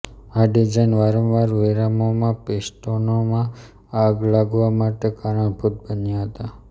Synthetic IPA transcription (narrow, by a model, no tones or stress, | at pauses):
aɖid͡ʒainʋaɾənʋaɾʋeɾamomãpesʈonomã | aɡlaɡʋamaʈekaɾãbʱut̪̚bənjaɦət̪a